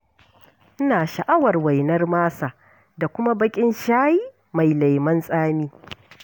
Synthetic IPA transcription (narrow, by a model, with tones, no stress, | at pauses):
ʔɪ˦naː˨ʃa˨ʔa˦wɐ˨rwa˨jnɐ˦rmaː˦sa˨ | da˨kʷʊ˦ma˦bɐ˦kʲʼɪ˦nʃaː˦jiː˦ | ma˨jla˨jmɐ˦nsʼaː˦miː˦